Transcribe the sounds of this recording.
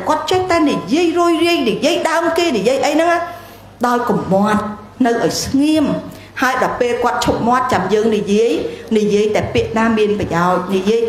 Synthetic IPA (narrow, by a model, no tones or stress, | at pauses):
kŏət̪̚t͡ɕɛht̪aɛnijiəjruəjriəŋnijiəjɗaəmkeːnijiəjʔəjnɨŋa | ɗaɔjkumːoət̪̚ | nɨwʔaɔjsŋiəm | haəjɗɑɔpeːlkŏət̪̚t͡ɕʰup̚mŏət̪̚t͡ɕamjəːŋnijiəjnijiəjt̪aɛpiəʔnaːmiənprɑjaɔc̚nijiəj